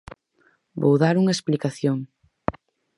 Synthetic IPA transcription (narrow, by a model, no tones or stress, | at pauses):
bo̰wðaɾuŋɐesplikaθjoŋ